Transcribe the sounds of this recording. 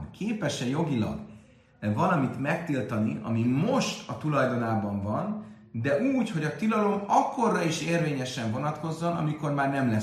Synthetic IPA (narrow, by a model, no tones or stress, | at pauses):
keːpɛʃɛjo̞ɡilɒ̰ɡ | vɒlɒmit̪mɛk̚t̪ilt̪ɒniɒ̰mimo̞ʃt̪ɒt̪ulɒjd̪o̞naːbɒɱvɒn | d̪ɛʔuːcho̞ɟɒt̪ilɒlo̞nɒkːo̞rːɒiʃeːrveːɲɛʃɛɱvo̞nɒt̪ko̞zːo̞nɒ̰miko̞rmaːrnɛmlɛ